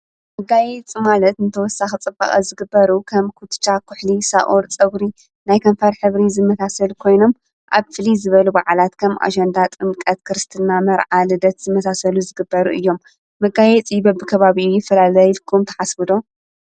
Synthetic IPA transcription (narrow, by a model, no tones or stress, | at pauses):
mɨɡajɛt͡sʼimalɐt̪nɨt̪ʰɐwɔsːaxɨt͡sʼɨbːa̰χʼɐ̰zɨɡɨbːɐɾukʰɐmkʰut̪t͡ʃakʰʊħlisa̰ʔoɾt͡sʼɐɡɾi | najkʰɐmfɐɾħɨβɾizɨmɐsasɐlkʰo̞jno̞m | ʔa̰βfɨlizɨβɐlubaʕalat̪kʰɐmʔa̰d͡ʒɐnd̪at̪ʼɨmkʼɐt̪kʰɨɾɨst̪ʰɨnːamɐɾʕalɨd̪ɐt̪z̥ɨmːɐsasɐluzɨɡɨbːɐɾuʔɨjːo̞mː | ɐɡajɛt͡sʼibɐbɨkʰɐβaβiujɪfːɐlalajlkʰumt̪ʰɐ̥ħasbɨd̪o̞